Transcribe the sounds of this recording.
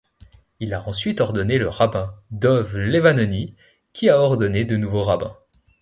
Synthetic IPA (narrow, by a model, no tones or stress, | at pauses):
ilaɑ̃sɥit̪ɔʁd̪ɔneləʁabɛ̃d̪ɔvlevanɔni | kʲʰiaɔʁd̪ɔned̪ənuvoʁabɛ̰̃